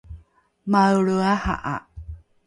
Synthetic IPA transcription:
mawɭuaha̰ʔa̰

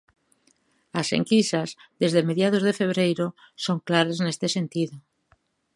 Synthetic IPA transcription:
asḛŋkisazðezðemeðjað̞ozðefeβ̞ɾejɾo | soŋklaɾaznest̪esent̪iðo

